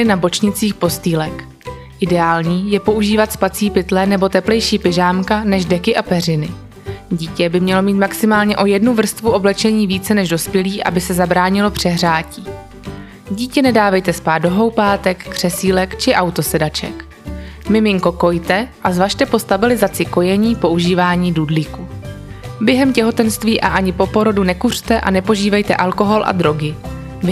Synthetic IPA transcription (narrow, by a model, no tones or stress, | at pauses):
ɪnabo̞t͡ʃɲɪt͡siːxpo̞st̪iːlɛk | ʔɪdɛaːlɲiːjɛpo̞ʔuʒiːvat̪spat͡siːpɪt̪lɛnɛbo̞t̪ɛplɛjʃiːpɪʒaːmkanɛʒdɛkɪʔapɛr̝ɪnɪ | ɟiːcɛbɪmɲɛlo̞miːt̪maksɪmaːlɲɛʔo̞jɛdnuvr̩st̪vuʔo̞blɛt͡ʃɛɲiːviːt͡sɛnɛʒdo̞spjɛliːʔa̰bɪsɛzabɾaːɲɪlo̞pr̥ɛɦr̝aːciː | ɟiːcɛnɛdaːvɛjt̪ɛspaːdo̞ɦo̞wpaːt̪ɛkːr̥ɛsiːlɛkt͡ʃɪʔawt̪o̞sɛdat͡ʃɛ̰k | mɪmɪŋko̞ko̞jt̪ɛʔazvaʃt̪ɛpo̞st̪abɪlɪzat͡sɪko̞jɛɲiːpo̞ʔuʒiːvaːɲiːdudlɪku | bjɛɦɛmcɛɦo̞t̪ɛnst̪viːʔaʔaɲɪpo̞po̞ɾo̞dunɛkur̝̥t̪ɛʔa̰nɛpo̞ʒiːvɛjt̪ɛ̰ʔalko̞ɦo̞lʔa̰d̪ɾo̞ɡɪ